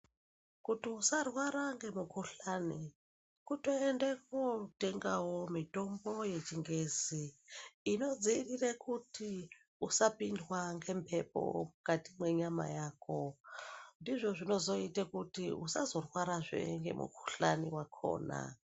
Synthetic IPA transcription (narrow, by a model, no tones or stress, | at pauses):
kutiusarwaɾaŋɡe̞mukuɬani | kutoendekute̞ŋɡawo̞mito̞mbo̞je̞t͡ʃiŋɡeziː | no̞d͡ziːrirekuti | usapindwaŋɡe̞mpʰe̞po̰mukatimwe̞ɲama̰jaːko | ndiʐo̞ʐino̞zo̞itakutiṵsa̰zo̞rwaɾaʐḛŋɡe̞̰mṵkʰu̥ɬanḭwakʰo̰ːna̰